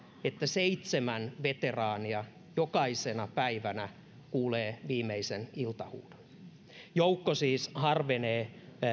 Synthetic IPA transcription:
et̪ːæseit̪semænʋet̪erɑːniɑ | jokɑisenɑpæiʋænæ | kuːleːʋiːmeisenilt̪ɑhṵːd̥o̥n | joukːosiːshɑrʋeneː

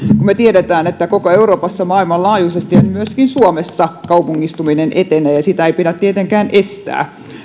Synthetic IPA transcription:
kummet̪ieɾet̪æːnet̪ːækokoeuroːpɑsːɑmɑːilmɑllɑːjusest̪iɑnmyøskinsuomesːɑkɑupuŋːist̪uminenʔet̪enæjɑsit̪æeipiɾæt̪t̪iet̪eŋkæːnʔest̪æ̰ː

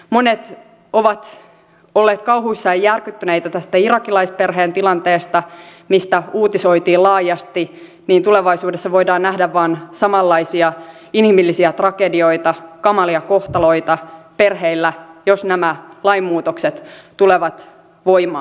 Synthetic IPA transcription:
monet̪ | o̞ʋɑt̪ | olːeːt̪kɑwɦuisːɑɑjjærkyt̪ːyneit̪æt̪æst̪æirɑkilɑisperɦeːnt̪ilɑnt̪eːst̪ɑmist̪æuːt̪iso̞it̪iːlɑːjɑst̪i | niːnt̪uleʋɑjsuːdesːɑʋo̞idɑːnnæhdæʋʋɑːnsɑmɑlːɑisiɑ | inhimilːisiæt̪rɑkedio̞it̪ɑkɑmɑliɑko̞ht̪ɑlo̞it̪ɑperɦeilːæjosnæmælɑimːuːt̪okset̪t̪uleʋɑt̪ | ʋo̞imɑ̰ː

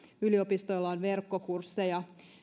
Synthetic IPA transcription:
yliopist̪oilːɑonʋerkːokursːejɑ

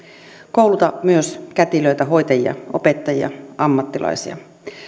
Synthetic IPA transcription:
kowlut̪ɑmyøskæt̪iløjt̪æɦo̞jt̪ɑjiɑ̰ʔo̞pe̞t̪ːɑjḭɑ̰ɑmːɑt̪ːilʔɑ̰jsiɑ̰

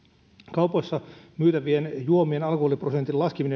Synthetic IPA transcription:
kɑuposːɑmyːt̪æʋienjuomienɑlkoholiprosent̪ilɑskimine

